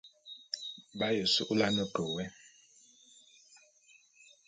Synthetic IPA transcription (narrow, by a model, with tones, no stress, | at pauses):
ɓa˦jo˨su˦ʔu˦la˦nɔ˦dʱɔ˨wɛ˦